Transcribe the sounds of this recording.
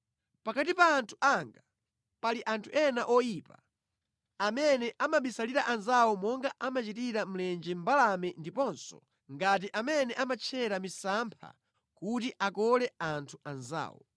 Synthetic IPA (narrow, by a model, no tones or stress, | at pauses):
pakatipaːntʰu̥ʔaŋɡa | paliʔantʰuʔɛnaʔɔjiːpa | amɛnɛʔamaɓisaliɾaʔanzawɔmɔŋɡaʔamat͡ʃitiɾam̩lɛnd͡ʒɛmbalamɛndipɔnsɔ̰ | ŋɡat̬iʔamɛnɛʔamat͡ʃʰɛɾamisampʰa̰ | kutiʔakɔlɛantʰuʔanza̰ːwɔ̰